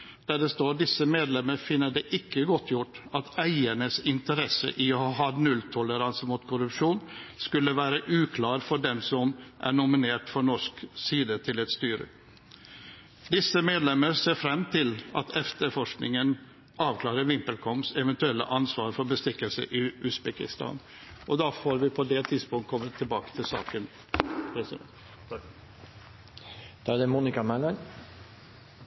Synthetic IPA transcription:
d̪̥æːɖɛst̪oːɖɪsːəmeːd̪lɛmːəɾfɪnːəɖɛʔɪkːəɡɔt̪ːjʊʈːɑt̪æɪəɳəsɪnt̪əɾɛsə̰ʔɪohɑɦɑdnʉlt̪ʰʊləɾɑnsəmut̪kʰʊɾʉpʂuːnskʉlːəʋæːɾəʔʉːkʰlɑːɾfɔɖɛmsɔmʔæ̰ɳʊmɪneːʈfɔɳɔʂksiːd̪ət̪ʰɪlɛt̪st̪yːɾə̰ | d̪ɪsəmeːd̪lɛmːəɾseːɾfɾɛmːt̪ʰɪlɑt̪ʰɛft̪əɾfɔʂknɪŋən | ɑːʋkʰlɑːɾəʋɪmpəlkʰɔmsɛʋɛnt̪ʉɛlːə̰ʔɑnsʋɑːɾfɔɾbəst̪ɪkːəlsə̰ʔɪʔʉsbɛkɪ̰st̪ɑ̰ːn | ʔɔd̪ɑːfoːɾʋɪpʰɔd̪ɛt̪ʰɪd̪spʊŋt̪̚kʰɔmːət̪ʰːɪlbɑːkə̥t̪ʰɪlsɑ̰ːkən | pʰɾɛs | d̪̥ɑːæd̪ɛmuːnɪkɑmælɑn

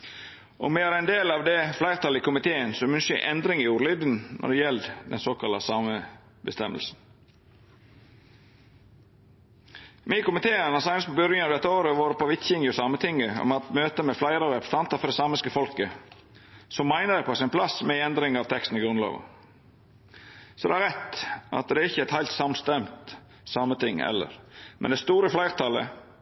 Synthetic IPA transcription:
ʔɔ̰meːɑɾæɪnd̪eːlɑːʋd̪ɛflæɪɾt̪ʰɑlɪkʰʊmɪt̪ʰeːənsɔmʉnsə̰ʔɛnd̪ɾɪŋɪuːɾlyd̪ən̩nʔɔ̰d̪ɛjɛlːd̪ɛ̰nsoːkʰɑlɑsɑːməbəst̪ɛməlsn̩ | mɪkʊmɪt̪ʰeːənɑsɑŋnəspʰɔbʏɾjənɑʋd̪ɛt̪ːəoːɾəʋoːɾəpɔʋɪt̪çɪŋəɔsɑmət̪ʰɪŋəɔ̰mɑt̪møːt̪əmɛflæɪɾəɾɛpɾə̥sɑnt̪əɾfɔɾd̪ɛsɑməskəfɔlkə | sɔmːæɪnəd̪ɛpʰɔsɪnpʰlɑsmɛɛnd̪ɾɪŋɑʋt̪ʰɛkst̪n̩ɪɡɾʉnlɑ̰ːʋə̰ | sɔd̪ɛ̰æɾɛt̪ʔɑ̰t̪̚d̪ɛæɾɪçːəɛt̪hæɪlt̪sɑmst̪ɛmt̪ | sɑmːət̪ʰɪŋɛ̰lːə̰ɾmʔɛ̰nd̪ɛst̪uːɾəflæɪɾt̪ʰɑlə̰

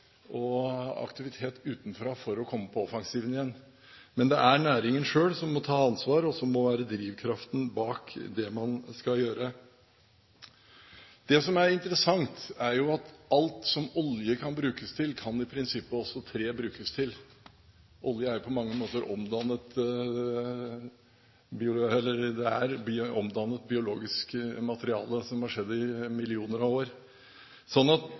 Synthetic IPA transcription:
ʔɔɑ̰kt̪ɪʋɪt̪ʰeːt̪ʉːt̪nfɾɑːfɔɾɔkʰɔmːəpʰɔɔfɑŋsiːʋənɪjɛnː | mɛnd̪ɛʔæɳæːɾɪŋənʂøːlsɔmːɔt̪ʰɑːɑnsʋɑːɾɔsɔmːɔʋæːɾəd̪ɾiːʋkʰɾɑft̪n̩bɑːkd̪ɛmɑnskɑljøːɾə | d̪̥ɛsɔmæɾɪnt̪əɾəsɑŋt̪æɾjʊɑt̪ɑlt̪sɔmɔljəkʰɑnbɾʉːkəst̪ʰɪlkʰɑnɪpʰɾɪnsɪpːəɔsːɔt̪ʰɾeːbɾʉːkəst̪ʰɪl | ʔɔljəæɾpʰɔmɑŋːəmoːt̪əɾʔɔ̰md̪ɑnːət̪ | bɪʊɛlːəɾd̪ɛæɾbɪɔmd̪ɑnːət̪̚bɪʊloːɡɪskmɑt̪əɾɪɑ̰ːləsɔmhɑʂɛd̪ːɪmɪlɪuːnəɾɑʋoːɾ | sɔnːɑt̪

